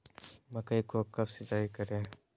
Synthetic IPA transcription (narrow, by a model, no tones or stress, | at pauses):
mɐkəikokɐbsɪt͡ʃaːikəɾẽː